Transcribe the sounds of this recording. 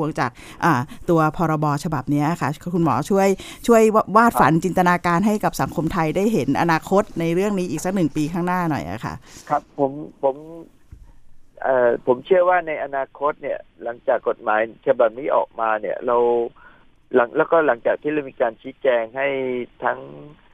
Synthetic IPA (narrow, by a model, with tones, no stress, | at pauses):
u˧əŋt͡ɕaː˨˩k̚ | ʔaː˨˩t̪u˧ɐpʰɔː˧ɾɔ˧bɔː˧t͡ɕʰa˧ba˨˩p̚ni˦˥ɐʔa˨˩kʰa˥˩kʰu˧nmɔ̰ː˩˦t͡ɕʰu˥˩əj | t͡ɕʰu˥˩əjwaː˥˩t̪̚fa˩˦nt͡ɕi˧nt̪a˧naː˧kaː˧nɦa˥˩jka˨˩p̚sa˩˦ŋkʰo˧mt̪ʰa˧jdaː˥˩jɦe˩˦nʔa̰˧naː˧kʰo˦˥t̪̚na˧jɾɯ˥˩əŋniː˦˥ʔiː˨˩k̚sa˦˥k̚nɯ˨˩ŋpiː˧kʰaː˥˩ŋnaː˥˩nɔ̰˨˩jʔa̰˨˩kʰa̰˥˩ʔkʰa˦˥pʰːo˩˦mpʰo˩˦m | ʔaː˨˩pʰo˩˦mt͡ɕʰɯ˥˩ɐwaː˥˩na˧jʔa˧naː˧kʰo˦˥t̪̚ni˥˩ɐla˩˦ŋt͡ɕaː˨˩kːo˨˩t̪̚maː˩˦jt͡ɕʰa˧ba˨˩p̚niː˥˩ʔɔ̰ː˨˩k̚maː˧ni˥˩ɐɾa˧w | la˩˦ŋlɛː˦˥wkɔː˥˩la˨˩˦ŋt͡ɕaː˨˩k̚t̪ʰiː˥˩la˧wmiː˧kaː˧nt͡ɕʰiː˦˥t͡ɕɛː˧ŋha˥˩jt̪ʰa˦˥ŋ